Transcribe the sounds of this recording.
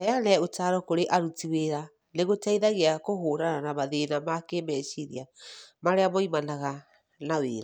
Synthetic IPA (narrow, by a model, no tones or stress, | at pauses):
ɛanɛotaɾɔkoɾeʔaɾutiweɾa | neɣotaiðaɣeakohoːɾananamaðenamakemɛʃiɾiamaɾeamɔimanaɣa | naweːɾa